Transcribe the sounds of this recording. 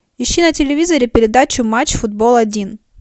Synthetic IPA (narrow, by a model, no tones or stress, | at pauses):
jɪɕːinɐtʲɪlʲɪvʲizɐɾʲɪpʲɪɾʲɪd̪at͡ɕʊmat͡ɕːfʊd̪̚bolˠɐdʲin